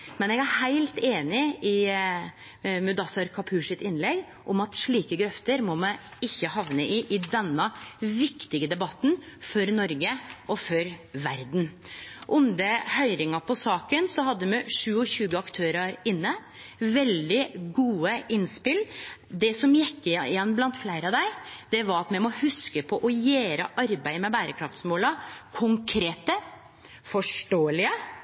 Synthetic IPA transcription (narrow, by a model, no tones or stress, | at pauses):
mɛnɛɡæhæɪlt̪eːnɪɪ | mʉd̪ɑsɑɾkʰɑpʰʉːʂɪt̪ɪnlɛɡ | ʔɔmɑt̪ʂɭiːkəɡɾœft̪əɾmɔmɛɪçːəhɑʋnəʔɪʔɪd̪ɛnːəʋɪkt̪ɪɡəd̪ɛbɑt̪ːn̩fɔɾnɔɾɡəɔfɔɾʋæɾd̪n̩ʔʊnd̪əhœʏɾɪŋɑpʰɔsɑːkənsɔhɑd̪ːəmɛʂʉːɔçʉːɡəɑkt̪ʰøːɾɑɾɪnːə | ʋɛld̪ɪɡuːəɪnspɪld̪ɛsɔmjɛkːɪɪjɛnːblɑnt̪flæɪɾəɑʋd̪æɪd̪̥ɛʋɑɾɑt̪mɛmɔhʉskəpʰɔʔɔjæːɾəʔɑɾbæɪmɛbæːɾəkʰɾɑft̪smoːlɑkʰʊŋkʰɾeːt̪ə | fɔʂʈoːəlɪə